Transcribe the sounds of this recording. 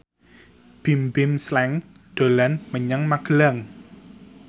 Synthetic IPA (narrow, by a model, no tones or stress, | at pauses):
b̥imbɪmslɛŋ | ɖ̪̥o̤lanməɲaŋmaɡ̥əlaŋ